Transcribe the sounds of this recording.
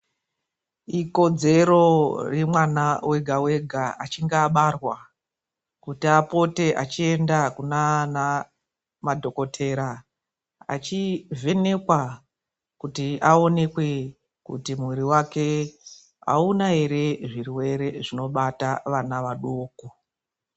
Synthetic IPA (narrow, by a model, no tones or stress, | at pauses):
iko̞d͡ze̞ɾo̞remwanawe̞ɡʱawe̞ɡʱaat͡ʃiŋɡaɓarwa | kutiapo̞te̞ʔa̰t͡ʃie̞ndakunana | madʱo̞ko̞tʰe̞ɾa | a̰t͡ʃive̞ne̞kwa | kutiʔao̞nekwe̞ | kṵtimwiɾiwake̞ | a̰unaɦe̞ɾe̞ʐiriwe̞ɾe̞ʐino̞ɓataʋanaʋaɗoːko